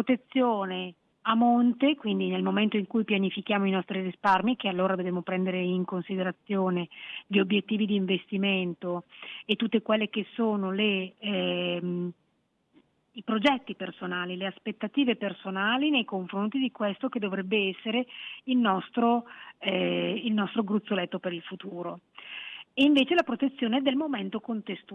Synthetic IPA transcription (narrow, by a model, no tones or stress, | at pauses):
pɾot̪et̪sːjoːne | amont̪ekwind̪inelmoment̪oiŋkujpjanifik̟jaːmoinɔst̪ɾirisparmik̟ealːoːɾad̪oveːmopɾɛnd̪eɾeiŋkonsid̪eɾat̪sːjoːneʎiobjet̪ːiːvid̪iːɱvest̪iment̪oet̪ːut̪ːekwelːekesːoːnole | m | ipɾod͡ʒɛt̪ːipersonaːlileaspet̪ːat̪iːvepersonaːlinejkoɱfɾont̪id̪ikwest̪oked̪ːovɾɛbːeɛsːeɾeilnɔst̪ɾo | ilnɔst̪ɾoɡɾut̪sːolɛt̪ːopeɾilfut̪uːɾo | eiɱveːt͡ʃelapɾot̪et̪sːjoːned̪elmoment̪okont̪est̪